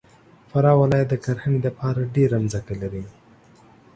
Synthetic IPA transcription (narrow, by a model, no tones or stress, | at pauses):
faɾɑwalɑjat̪̚d̪əkaɾxənilapɑɾaɖeɾamzakalaɾi